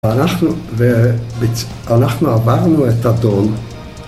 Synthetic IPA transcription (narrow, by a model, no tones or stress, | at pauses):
anaχnvɛbɪt͡s | anaχnavaʁnuɛtadɔn